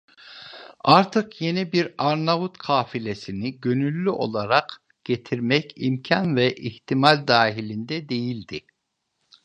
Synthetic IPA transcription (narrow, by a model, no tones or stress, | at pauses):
aɾt̪ʰɯkje̞nibiɾaɾnavut̪kʰaːfilʲe̞siniɟø̞nylʲːyʔo̞̰lˠaɾaq | ɟ̥e̞t̪ʰiɾmɛcimcʰanvɛʔiçt̪ʰimalʲd̪aːɦilʲind̪ɛd̪e̞jilʲd̪i